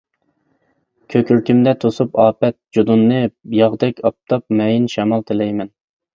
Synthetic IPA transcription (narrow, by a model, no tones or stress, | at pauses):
kʲʰøkʲʰyɾkʲimd̪ɛt̪ʰosupɑːpɛt̪̚d͡ʒod̪unːɨjɑʁd̪ɛkʲʰɑp̚t̪ʰɑp̚mɛjinʃɛmɑlˠt̪ʰɪlɛjmɛn